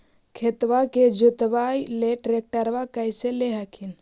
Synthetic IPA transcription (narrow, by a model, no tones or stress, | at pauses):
kʰet̪ʋaked͡ʒut̪bajleʈɾek̚ʈəɾʋakəjseleɦakʰin